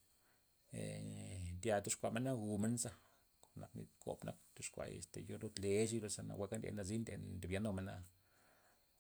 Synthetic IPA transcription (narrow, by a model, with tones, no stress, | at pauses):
e˨nd̪ja˨t̪u˦ʂkʷa˧˨me˦na˦ɡu˧me˦nza˧ | ko̥˨nːʔa˨knḭ˧t̪ko̰˨pnʔa̰˦kt̪u˦ʂkʷa̰˧jḛ˨st̪e˨jo˧˦ɾu˦t̪le˧ʃi˦lo˧sa˧na̰˨wʷa˧˦ka˦ḛ˧na˧zi˦nd̪ḛ˧nd̪e˨bja˧no˧me˦na˧